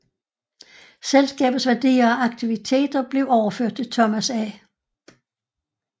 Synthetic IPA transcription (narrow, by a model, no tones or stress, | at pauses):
selsɡ̥ɛ̰ːb̥ð̩ˠsʋæɐd̥ḭːɐɒʔɑ̈ɡ̥t͡sʰiʋit͡sʰe̝̰ːd̥ɐb̥le̝ʊɒʊɐføɐ̰d̥t͡sʰe̝lt͡sʰɒmæsæ